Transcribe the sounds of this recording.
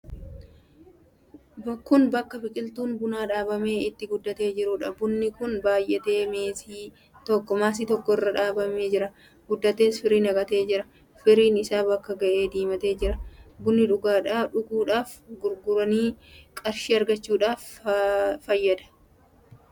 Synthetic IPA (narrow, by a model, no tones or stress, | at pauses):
bɔkːʊnbɐkːɐfɪkʼɪlt̪uːnbʊnaːᶑaːbɐme̞ːɪt̪ːɪɡʊd̪ːɐt̪e̞ːd͡ʒɪɾʊᶑɐbʊnːɪkʊnbaːjʔɛt̪e̞ːmeːsiː | t̪ɔkːɔmaːs̬ɪt̪ɔkːɔɪrːɐᶑaːbɐme̞ːd͡ʒɪɾɐ | ɡʊd̪ːɐt̪eːsfɪɾiːnɐɡɐt̪e̞ːd͡ʒɪɾɐ | fɪɾiːnɪsaːbɐkːɐɡɐʔe̞ːd̪iːmɐt̪e̞ːd͡ʒɪɾɐbʊnːɪᶑʊɡaːᶑaːᶑʊɡuːᶑaːfɡʊɾɡʊɾɐniːkʼɐɾʃiːɐɾɡɐt͡ʃːuːᶑaːfː | ɐjːɐd̪ɐ̥